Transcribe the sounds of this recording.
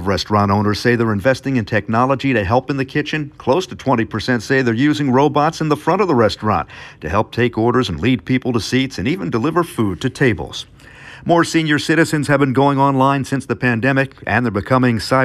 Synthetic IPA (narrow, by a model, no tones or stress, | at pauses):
vɹɛstə˞ɑ̃ɾ̃õʊ̃nə˞z̥seɪðə˞ɨ̃ɱvɛstɪ̃ŋɨ̃ntʰɛk̚nɑlˠəd͡ʒiɾɨɦɛlˠpɨ̃nðɨkʰɪt͡ʃɨ̃nkʰl̥oʊstʰɨtʰw̥ɛ̃ɾ̃ipʰə˞sɛ̃ntseɪðə˞jʉzɪ̃ŋɹoʊbɑtsɨ̃n̩ðəfɹʌ̃ɾ̃ʌvðəɹɛstə˞ɑ̰̃ntʰɨhɛlˠp̚tʰeɪkɔɹɾə˞zɨ̃n̩lid̚pʰipl̩ˠtəsitsɨ̃nivɨ̃ndəlɪvə˞fud̚tʰɨtʰeɪbl̩ˠz̥ | mɔɹsĩnjə˞sɪɾɨzɨ̃nz̥ɨvbɨ̃nɡoʊɪ̃ŋɑ̃nlãɪ̃nsɪ̃nsðɨpʰæ̃ndɛmɨkʔɨ̃nðə˞bɨkʰʌmɪ̃ŋsaɪ